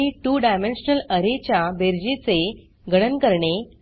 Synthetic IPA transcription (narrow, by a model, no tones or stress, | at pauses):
iʈuːɖajmenɕənələɾet͡ɕjabeɾd͡ʑet͡se | ɡʱəɽ̃ənkəɾɳe